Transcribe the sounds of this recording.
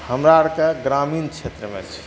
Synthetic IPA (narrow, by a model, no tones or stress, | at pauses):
həmɾaɾkeɡɾaminkt͡ʃʰet̪ɾəmḛt͡ʃʰi̥